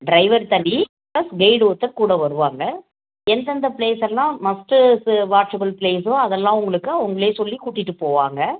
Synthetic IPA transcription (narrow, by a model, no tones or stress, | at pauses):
ɖɾɐɪʋɐɾt̪ɐɳːi | plɐsɡɐɪɽɯɔt̪ːɐɾkuːɽɐʋɐɾɯʋaːŋɡɐ | ɛnd̪ɐnd̪ɐpleːsɛlːãːmɐsʈɯsʋaːɾt͡ʃɐbɐlpleːs̬õɐðɛlːãːʊŋɡɐɭɯkːɯʊŋɡɐɭeːsɔlːikuːʈːɪʈːɯpoːʋaːŋɡɐ